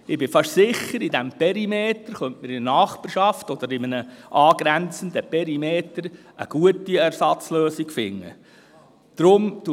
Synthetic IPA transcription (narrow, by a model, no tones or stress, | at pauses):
ɪbɪfɑʃsɪχəɾid̪ɛmpɛɾimeːt̪əɾχœntməɾɪənɑːχpəɾʃɑftɔd̪əɾɪmənəʔɑːɡ̥ɾænt͡sənd̪əpɛɾimeːtəɾ | ʔə̰ɡ̥uətiæɾsɑt͡sløːsiɡfɪ̰ŋːə̰ | d̥ɾʊmtu